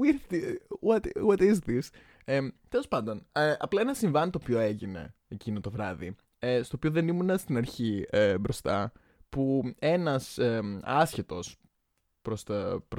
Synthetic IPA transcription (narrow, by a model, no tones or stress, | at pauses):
iiɐt̪ɣot̪isðis | et̪e̞lo̞spɐnd̪o̞neɐ̰plɐe̞nɐsiɱvɐnit̪oːpioeʝine̞̰ecinot̪ovɾɐðḭ | est̪oːpio̞ðe̞nimunɐst̪inɐɾçiebɾo̞st̪ɐ | pue̞nɐseɐsçet̪o̞s | pɾost̪ɐpɾ